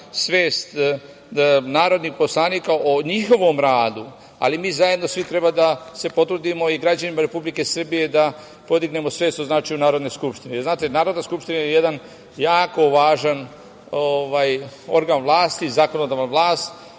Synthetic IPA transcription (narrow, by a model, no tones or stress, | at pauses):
sʋeːst̪ | naːɾod̪nixpo̞slˠaːniːkaʔoɲixo̞ʋo̞mɾaːd̪u | a̰limiːzajed̪no̞sʋit̪ɾe̞bad̪ase̞po̞t̪ɾud̪imo̞iɡɾad͡ʒanimaɾe̞publike̞sr̩bije̞d̪a | po̞d̪iɡne̞mo̞sʋe̞st̪oznaːt͡ʃajunaːɾo̞d̪ne̞jskupʃt̪inejeɾznaːt̪e̞naːɾod̪naskupʃt̪inajeje̞d̪an | jaːko̞ʋaːʒan | oʋajo̞̰ɾɡanʋlˠaːst̪izaːkonod̪aʋanʋlˠaːst̪